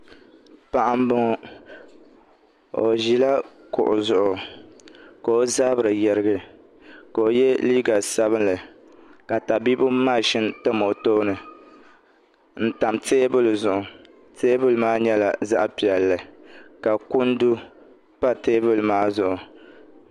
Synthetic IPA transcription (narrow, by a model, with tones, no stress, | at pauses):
pa˨ʔa˦m˦bɨ˦ŋɔ˦ | o˨ʒi˦la˦ | kʊ˨ʔʊ˨zʊ˨ʔʊ˨ | ka˨o˦zaː˦bɨ˨ɾɨ˨jɛ˦ɾɨ˦ɡɨ˦ | ka˨o˨jɛ˦liː˦ɡa˨sa˦βɨ˦nlɨ˨ | ka˨ta˨bi˦bʊ˦maː˦˨ʃɪ˦ntɨ˦mo˨toː˦nɨ˨ | n̩˦ta˨mteː˦bʊ˦lɨ˨zʊ˨ʔʊ˨ | teː˦bʊ˦lɨ˨maː˦ɲɛ˦la˨za̰˦ʔpi˨ɛ˨lːɨ˨ka˨ku˦n˦du˦ | pa˦teː˦bʊ˦lmaː˦zʊ˨ʔʊ˨